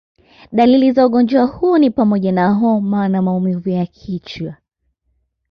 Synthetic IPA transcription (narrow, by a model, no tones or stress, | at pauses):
ɗalilizauɠɔnd͡ʒɔahuɔnipamɔʄanaɦɔmanamaumivujakʰit͡ʃwa